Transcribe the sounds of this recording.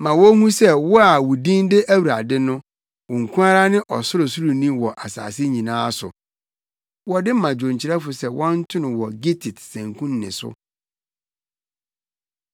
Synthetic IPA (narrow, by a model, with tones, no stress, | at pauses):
mã˨wɔ˦hũ˦sɛ˦wɔ˦a˨wu˨dĩ˦ndɪ˦ʔæ˦wu˨ɾa˨dɪ˦nʊ̃˦ | wʊ˨ŋ̩˨kʰũ˦a˦ɾa˦nɪ̃˦ʔɔ˨sʊ˦ɾʊ˨su˦ɾu˨nĩ˦wɔ˨ʔa˨sa̰ː˨sɪ˦ɲĩ˨nãː˦sʊ̰˨ | wɔ˦dɪ˦m˦mã˨d͡ʑᶣõ˨ɲ˨t͡ɕʰɪ˨ɾɛ˦fʊ˨sɛ˦wɔ̃˦n̩˦tʰʊ̃˦nʊ̃˨wɔ˨ɡi˦tʰi˨tsæ̃˨ŋkʰũ˦nː˨ɪ̰̃˨sʊ̰˦